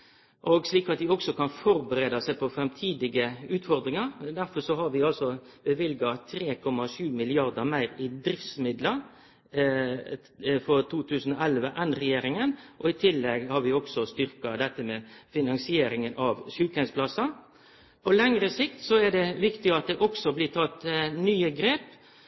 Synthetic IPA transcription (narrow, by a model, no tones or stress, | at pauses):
ʔɔɡsliːkɑt̪̚d̪ɪɔksɔkɑnfɔɾbəɾeːd̪ɑsæɪpʰɔfɾɛmt̪ʰiːd̪ɪɡəʉːt̪fɔɾd̪ɾɪŋɑɾd̪æɾfɔsɔɦɑɾʋɪɑlsɔ | bəʋɪlɡɑt̪ʰɾeːkʰɔmɑʃʉːmɪlɪɑɾd̪əmæɪɾɪd̪ɾɪft̪smɪd̪lə | fɔɾt̪ʰuːt̪ʰʉːsən̩ɔɛlʋəʔɛnɾɛjeːɾɪŋənʔɔɪt̪ʰɪlːɛɡhɑɾʋɪɔksɔst̪ʏɾkɑd̪ɛt̪ːəmɛːfɪnɑŋsɪeːɾɪŋənʔɑʋʃʉːlkɛnspʰlɑsɑ | pʰɔlɛŋɾəsɪkt̪sɔæd̪ɛʋɪkt̪ɪɑt̪̚d̪ɛʔɔksɔblɪːt̪ʰɑt̪nyːəɡɾeːp